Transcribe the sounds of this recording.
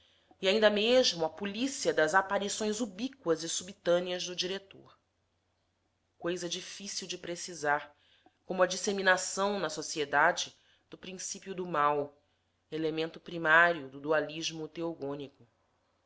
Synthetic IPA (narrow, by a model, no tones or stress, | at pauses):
iaĩnd̪ɐmeʒmʊɐpulisiɐd̪ɐzapaɾisõj̃zubikwɐzɪsubit̪ɐ̃niɐʒd̪ʊd͡ʒiɾet̪o̰ɾ | kojzɐd͡ʒifisiwd͡ʒɪpɾesizaɾ | kõmʊɐd͡ʒiseminasɐ̃w̃nɐsosied̪ad͡ʒɪ | d̪ʊpɾĩsipjud̪ʊmaw | elemẽnt̪ʊpɾimaɾijʊd̪ʊd̪ualiʒmʊt̪eoɡõnikʊ